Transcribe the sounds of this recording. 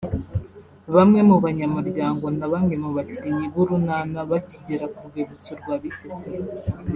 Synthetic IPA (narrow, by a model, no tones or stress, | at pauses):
βamŋe̞muβaɲamuɾɟaːŋɡo̞naβamŋe̞muβaciɾiɲiβuɾunanaβaciɟeɾakuɾɡweːβut͡suɾɡwaːβisese